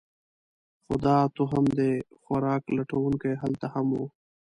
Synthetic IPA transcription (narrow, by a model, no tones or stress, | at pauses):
xʊ̰d̪ɑːt̪uɦamd̪exaɾɑːklaʈawuŋkeɦalt̪ahamu